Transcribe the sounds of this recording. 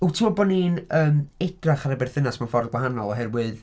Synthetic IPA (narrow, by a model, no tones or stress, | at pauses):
utʰimɔdbɔninəːmɛdraχaɾabɛrθɪnasmanfɔrðɡwaɦanɔlˠɔɦɛrwɨð